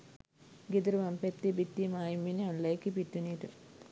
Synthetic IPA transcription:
ɡid̪ɾɨʋɐmpet̪ːibit̪ːimaːjimːinɐnlekːipit̪ːuniʈu

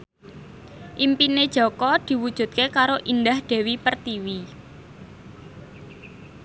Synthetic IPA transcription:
ʔimpined̥ʒ̥ɔ̤kɔd̪̥i̤wud̥ʒ̥ṳt̪̚kekaɾoʔind̪ahɖ̪̥e̤wipərt̪iwi

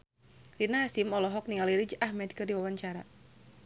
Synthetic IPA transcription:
rinaɦasimɔlɔɦɔk̚niŋaliɾid͡ʒahmɛd̪kɨrdiwawaɲt͡ʃaɾa

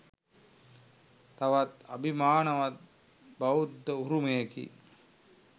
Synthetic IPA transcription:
t̪ɐʋɐt̪ɐ̰bʱimaːnɐʋɐt̪̚ | bɐud̪ːəuɾumejkḭ

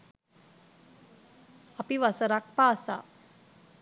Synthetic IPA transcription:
apiʋasəɾak̚pasa̰

